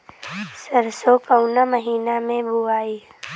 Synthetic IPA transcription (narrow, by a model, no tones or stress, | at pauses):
səɾsokəʊnaməɦiːnamẽbʱuaːi